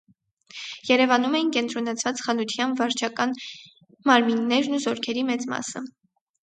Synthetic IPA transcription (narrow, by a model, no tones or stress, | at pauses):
jɛɾɛvɑnumɛjinkɛnt̪ɾɔnɑt͡sʰvɑt͡sχɑnut̪ʰjɑnvɑɾt͡ʃʰɑkɑn | mɑɾminːɛɾnuzɔɾkʰɛɾimɛt͡smɑ̰sə